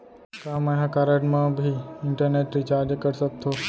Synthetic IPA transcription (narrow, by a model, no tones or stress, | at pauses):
kãːməjãkaːɾəʈmãbʱiɪɳʈəɾneːʈɾit͡ʃaːɾd͡ʒkəɾsək̚t̪ʰoː